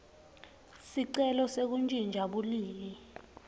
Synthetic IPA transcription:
siǀɛlɔsek̬und͡ʒʱind͡ʒʱaɓuliːmi

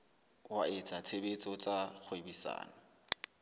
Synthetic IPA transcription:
waɪt͡sʼat͡sʰebet͡sʼɔt͡sʼak͡xʰwebisa̰ːna

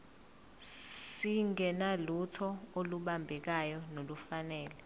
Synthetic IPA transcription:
siŋɛnalutʰɔoluɓambʱɛk̬ajɔnolufanɛːlɛ

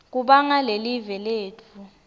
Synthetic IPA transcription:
k̬ʼuɓaŋalelivɛleːtʰu

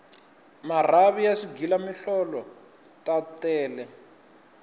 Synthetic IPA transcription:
mar̤aβijasiɡilamiɬɔlɔ | tatɛːlɛ

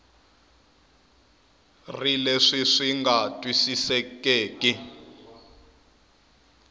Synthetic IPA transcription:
rileʂiʂiŋɡatʼwisisɛkʼeːkʼi

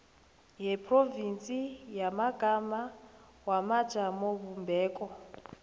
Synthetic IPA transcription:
ɦɛpʰʼrovint͡sʼijamaɡ̥ʱama | wamad̥ʒ̥ʱamoβumbʱɛːkʼɔ

